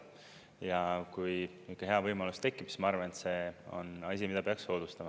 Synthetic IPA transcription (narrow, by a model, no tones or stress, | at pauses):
jɑkuj | ikːˑɑɦe̞ɑvɤjmɑlust̪e̞kːˑipsi̥mɑɑɾvɑnet̪se̞o̞̰nɑs̬ʲimid̥̪ɑpeɑkso̞ːd̪̥ust̪ɑmɑ